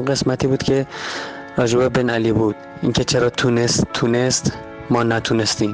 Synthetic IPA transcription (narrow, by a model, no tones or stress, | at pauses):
ɢe̞smæt̪ʰiːbuːd̪̥cʲʰe̞ | ɒːʒuːbebenæliːbuːd̪̥ | iŋcʰe̞t͡ʃʰeɾɒːt̪ʰunest̪ʰːuːnest̪ | mɒːnæt̪ʰunest̪iːm